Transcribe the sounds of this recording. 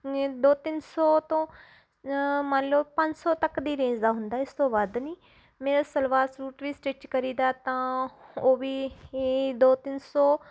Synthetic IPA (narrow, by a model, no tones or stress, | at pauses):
d̪oːt̪ɪnsɔːt̪õː | mənloːpəɲd͡ʒsɔːt̪əkd̪iːɾẽːzaːɦʊnd̪aːɪst̪õːbaːd̪niː | meːɾaːsəlʋaːɾsɾuːʈʋiːsʈeːt͡ʃkəɾiːd̪aːt̪ãːoːʋiː | d̪oːt̪ɪnsɔː